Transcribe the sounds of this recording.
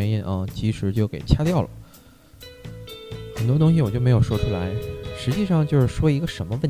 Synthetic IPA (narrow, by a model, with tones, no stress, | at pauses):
ni˥˩nʔə˧˩t͡ɕi˧˥ʂɻ̩˧˥t͡ɕjo˥˩ʊke˨˩ɪt͡ɕʰja˥t̪jɑ˥˩ʊlə̰˩ | xə˨˩nt̪wɔ˥t̪ʊ˥ŋɕ̬i˧˨wɔ˨˩t͡ɕjo˥˩me˧˥ɪjʂwɔ˥ʈ͡ʂʰu˥la˧˥ɪʂɻ̩˧˥t͡ɕi˥˧ʂɑ˥˧ŋt͡ɕjo˥˧ʊʂɻ̩˥˩ʂwɔ˥i˧˥ɡə˧ʂə˧˥nmə˧wə˥˩n